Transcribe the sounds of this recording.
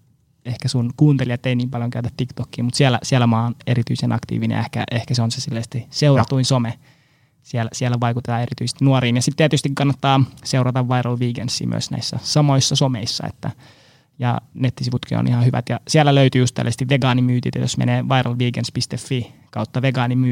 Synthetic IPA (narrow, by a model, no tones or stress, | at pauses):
ehkæsunkuːnt̪eliɑt̪ːeiniːmpɑljoŋkæyt̪æt̪t̪ikt̪okːiːmut̪siælæ̰siælːæmɑːneɾit̪yisenʔɑ̰kt̪ḭːʋinḛjehkæ̰ʔehkæseonseselːæsst̪iseurɑt̪uinsome | siælæsiælːæʋɑikut̪et̪ɑːerit̪yist̪inuɑɾiːnjɑsit̪t̪iæt̪yst̪ikɑnːɑt̪ːɑːseurɑt̪ɑʋʋɑiɾɑlʋiːkensːḭːmy̰ø̰snæ̰isːæsɑmoisːɑsomḛisːɑ̰ḛt̪ːæ | jɑ̰net̪ːisiʋut̪kio̰nʔihɑhyʋæ̰t̪jɑsiælːæløyt̪yːust̪æ̰lːæsest̪iʋʋeɡɑːnimyːt̪ḭːt̪ɑ̰jo̰smḛneːʋɑirɑlʋiːkenspist̪efːikɑut̪ːɑʋeɡɑːnimyː